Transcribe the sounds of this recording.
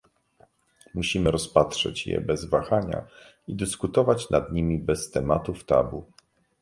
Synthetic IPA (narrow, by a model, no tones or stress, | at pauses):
muɕimɘɾɔspat̪ʂɛ̰t͡ɕjɛ̰bɛzvaxaɲa̰ | id̪ɘskut̪ɔvat͡ɕnʔad̪ɲimʲibɛst̪ɛmat̪uft̪a̰bu